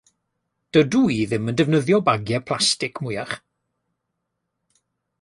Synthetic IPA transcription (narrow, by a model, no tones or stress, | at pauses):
d̥əduiːðɪməndɛvnəðjɔbaɡjɛpʰlˠastɪkmʊjaχ